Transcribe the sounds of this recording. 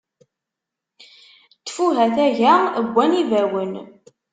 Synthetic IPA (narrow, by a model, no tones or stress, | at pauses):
t̪ːfuɦæθæʝæəɡʷːænivæwən